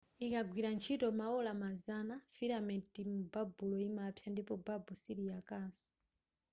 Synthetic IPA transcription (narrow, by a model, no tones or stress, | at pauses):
ikaɡwiɾant͡ʃʰitɔmaɔlamazanafiɾamɛtimubabulɔimapʰjandipɔbabɔsiɾijakaːnsɔ̥